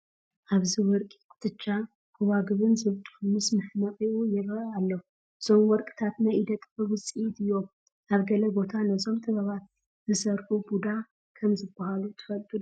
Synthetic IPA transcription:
ʔaβzɨwɔɾkʼi̥t̪ʰɨt͡ʃːa | kʰuwaɡɨβɨnzɨβt̪ʼhmːɨsmɨhnət̪ʼeujɛrəalːəhu | somwɔɾkʼt̪ʰat̪naid̪ət̪ʼbɨwɨsʼit̪jom | ʔaβɡələbo̞t̪ʰanəzomt̪ʰɨβəβat̪ | zɨsəɾʔubud̪a | kʰəmzɨbːahalut̪ʰɨ̥fəlt̪ʼu

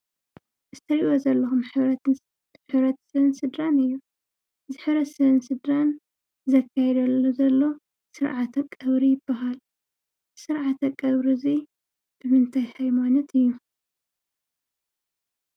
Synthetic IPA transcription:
zɨt̪ʰɐɾiʔozɐlːɐxumħɨβɾɐt̪ | ħɨβɾɐt̪sɨɨnsɨd̪ɾanɨjːu | zɨħɨβɾɐt̪sɐβɨnsɨd̪ɾan | zɐkʰːajɛd̪ɐlozɐlːo̞ | sɨɾʕat̪ʰɐkʼɐβɾijɪbːaɦal | sɨɾʕat̪ʰɐkʼːɐβɾizi | b̥ɨmɨnt̪ʰajhajmanɐt̪ɨjːu

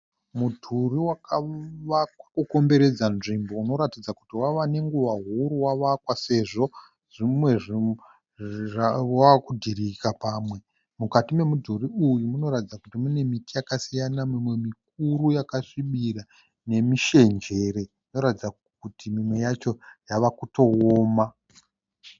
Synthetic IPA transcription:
mudʱuriwakaʋakwḁkuko̞mbe̞ɾe̞d͡zanʐimbouno̞ɾatid͡zakutiwaʋane̞ŋɡuʋaɦuɾuwaʋakwase̞ʐo̞ | ʐ̥imwe̞ʐi | aakudʱiɾikapaːmwe̞ | mukatime̞mudʱoriujumuno̞ɾatid͡zakutimune̞mitijakasijanamimwe̞mik̚uɾujakaʂiɓiɾa | ne̞miʃe̞nd͡ʒe̞ɾe̞ | ino̞ɾatid͡za | kutimimwe̞jat͡ʃo̞jaʋakuto̞oːma

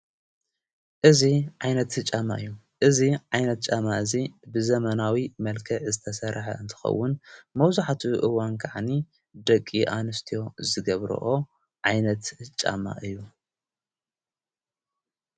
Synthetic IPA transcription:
ʔɨziʕajnɐt̪ɨt͡ʃʼama̰ʔɨjːu | ʔɨziʕajnɐt̪̚t͡ʃʼamaɨzibɨzɐmɐnawimɐlkʰɐʕzɨt̪ʰɐsɐɾħa̰ɨnt̪ʰɨ̥xɐ̰wːʊnmɐwzaħat̪ʰuʔɨwankʰaʕni | d̪ɐkʼːiʔanɨst̪ʰijo̞zɨɡɐβɾɐ̰ʔo̞ | ʕajnɐt̪t͡ʃʼa̰ma̰ʔɨjːu

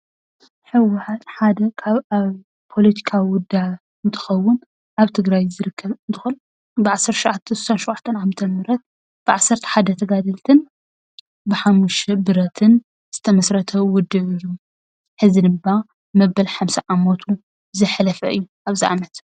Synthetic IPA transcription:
ħɨwʊħat̪ħad̪ɐkʰaβaβ | pʰo̞lɐt̪ʰi̥kʰawiwʊd̪aʕ | ɨnt̪ʰɨ̥xɐwːʊn | ʔaβt̪ʰɨɡɾajzɨɾɨkʰːɐβɨnt̪ʰɨxon | bɨʕasːɐɾt̪ʰʃʊʕat̪ʰːɐsu̥sanʃʊwʕat̪ʰːɐnamt̪ʰɐnmɨɾɐt̪̚ | b̥ɨʕasːɐɾt̪ʰɐ̥ħad̪ɐt̪ʰɐɡad̪ɐlt̪ʰɨn | bɨħamːuʃɐbɨɾɐt̪ʰɨn | z̥ɨt̪ʰɐmɐsɾɐt̪ʰɐwʊd̪ːɨʕɨjːu | ħɨzid̪ɨmba | mɐbɐlħamʃɐʔamot̪ʰu | zɨħlɐfɐʔɨjːuʔaβziʔa̰mɐt̪

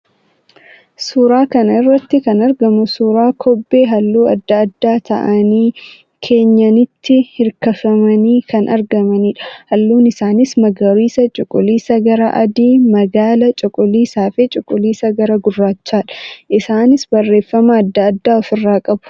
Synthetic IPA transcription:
suːɾaːkɐnɐɪrːɐt̪ːɪkɐnɐɾɡɐmʊsuːɾaːkʰɔbːe̞ːɦɐlːuːɐ̰d̪ːɐːd̪ːaːt̪ɐ̰ʔɐniː | kʰe̞ːɲːɐnɪt̪ːɪhɪɾkɐfɐmɐniːkʰɐnʔɐɾɡɐmɐniːᶑɐ̥hɐlːuːnɪsaːnɪsmɐɡɐɾiːsɐt͡ʃʼʊkʼʊliːsɐɡɐɾɐʔɐd̪iːmɐɡaːlɐt͡ʃʼʊkʼʊliːsaːfɛt͡ʃʼʊkʼːʊliːsɐɡɐɾɐɡʊrːaːt͡ʃːaːᶑɐ̥ʔɪsaːnɪsbɐrːe̞ːfːɐmɐːd̪ːɐːd̪ːaːɔfɪrːaːkʼɐbʊ̥

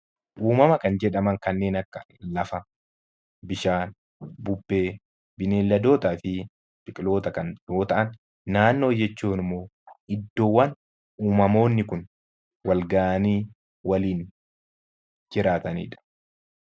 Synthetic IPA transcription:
ʔuːmɐmɐkɐnd͡ʒɛᶑɐmɐŋkɐnːe̞ːnɐkːɐ̥ | lɐfɐ | bɪʃaːn | bʊbːe̞ː | bɪneːlːɐd̪o̞ːt̪aːfɪ | pɪkʼlo̞ːt̪ɐkɐnjo̞ːt̪ɐʔɐnː | aːnːo̞ːd͡ʒɛt͡ʃːuːnɪmːoː | ɪd̪ːo̞ːwːɐn | uːmɐmo̞ːnːɪkʊn | wɐlɡaːʔɐniː | wɐliːn | d͡ʒɪɾaːt̪ɐnḭːᶑɐ̥

